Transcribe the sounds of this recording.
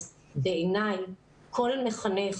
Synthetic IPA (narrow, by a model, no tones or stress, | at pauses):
veenaj | kʰo̞lmeχaneχ